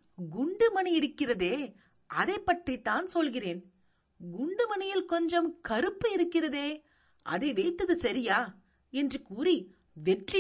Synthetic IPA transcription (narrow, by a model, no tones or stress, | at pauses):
ɡʊɳɖɯmɐnɐɪɾɯkːɪrɐðeː | ʔɐðeːpːɐʈrit̪ːaːnsɔlɣɪreːn | ɡʊɳɖɯmɐnɐjɪlkɔɲd͡ʒɐmkɐɾɯpːɯɪɾɯkːɪrɐðeː | ʔɐ̰ðeːʋɛɪt̪ːɐðɯsɐɾɪjaː | ɛndrɯkuːri | ʋɛʈri